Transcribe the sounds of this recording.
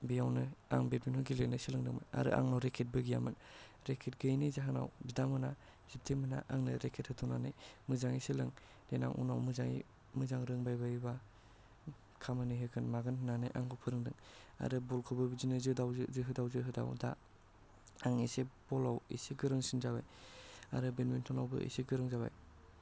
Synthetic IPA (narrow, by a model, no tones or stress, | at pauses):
bijawnɯa̰ŋbet̚minhɯɡilenɯsilɯŋdɯŋmɯna̰ɾɯ̰ʔa̰ŋnawɾekʰet̚bɯɡija̰mɯn | ɾekʰet̚ɡɯjnizaɦana̰wbidamɯna | zip̚tʰemɯna̰ʔaŋnɯɾekʰet̚hɯtʰuŋnanɯjmɯzaŋisilɯŋ | lena̰ŋʔṵna̰wmɯzaŋḭ | mɯzaŋɾɯŋbajbajba | kʰamɯniɦɯkʰɯnmaɡɯnnanɯjʔaŋɡɔpʰɯɾɯŋdɯŋa̰ɾɯbɔlkʰɔbɯbizinɯzɯdawzɯɦɯdawzɯɦɯda̰wda̰ | aŋisebɔlawḛsiɡɯɾɯŋsinzaβaja̰ɾɯbenmentʰɔnawbɯ̰ʔḛsiɡɯɾɯŋzaba̰j